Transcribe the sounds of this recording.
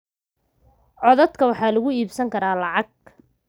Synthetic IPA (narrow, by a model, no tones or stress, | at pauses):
ʕɔðɐd̪kʰɐwɑħɑːlʊɣʊiːbsɐŋkʰɐɾaːlɑʕɑɡ̚